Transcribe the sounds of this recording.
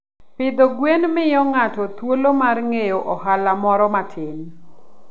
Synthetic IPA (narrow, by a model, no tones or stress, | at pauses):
pɪd̪oɡwenmɪjɔŋatɔt̪wolomarŋejoʔɔɦalamɔɾɔmatʰɪn